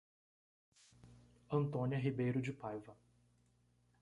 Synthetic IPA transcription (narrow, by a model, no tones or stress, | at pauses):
ɐ̃nt̪õnʲiɐɦibejɾʊd͡ʒɪpajvɐ